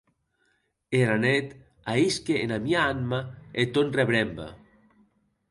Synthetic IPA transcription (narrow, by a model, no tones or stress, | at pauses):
eɾanet̪ | aiskeenamiaanmaet̪onreβɾɛmba̰